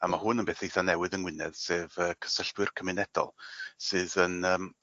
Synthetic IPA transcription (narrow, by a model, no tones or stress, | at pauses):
amahʊnənbeːθejθanɛwɨðənwɪnɛð̥seːvəːkʰə̥səɬpwɨrkʰəmɪnɛd̥ɔ̰lˠsɨːðənəːm